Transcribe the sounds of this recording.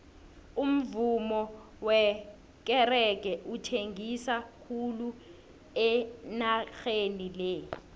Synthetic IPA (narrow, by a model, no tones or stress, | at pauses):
um̩vumɔ | wɛ | k̬ɛrɛk̬ɛʔutʰeŋisakʰulu | ɛnaxenilɛ